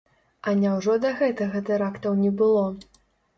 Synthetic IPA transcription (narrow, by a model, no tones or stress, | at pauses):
ɐnʲawʐɔd̪ɐɣɛt̪ɐɣɐt̪ɨɾakt̪ɐwnʲɛbɨlˠɔ